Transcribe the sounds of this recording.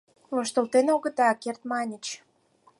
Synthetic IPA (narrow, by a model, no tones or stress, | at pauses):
moʃt̪ə̆lt̪enoɣə̆t̪ɑkert̪mɑnʲət͡ɕ